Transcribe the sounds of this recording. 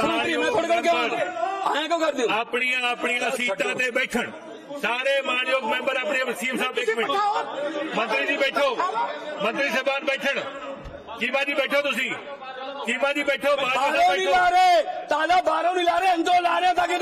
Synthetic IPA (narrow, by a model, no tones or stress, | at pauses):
iːẽːt̪ʰʊɽkəɽke | a̰ːãːkõːkəɾd̪ɪjõaːpɳiːãpɳiːãsiːt̪ãːt̪eːbeːʈʰəɽ | saːɾeːmaːɳjoːɡmẽːmbəɾaːpɳiesiːbsaːbeːmẽː | mə̃nt̪ɾiːd͡ʒiːbeːʈʰoːmə̃nt̪ɾiːsəbaːnbeːʈʰəɽ | kiːʋãːd͡ʒiːbeːʈʰoːt̪ʊs̬ĩː | kiːʋãːd͡ʒiːbeːʈʰoːmaːooːĩːlaːɾeːt̪aːlaːbaːɾõːnĩːlaːɾeːə̃nd͡ʒ̪õːlaːɾjãːt̪̬ãːke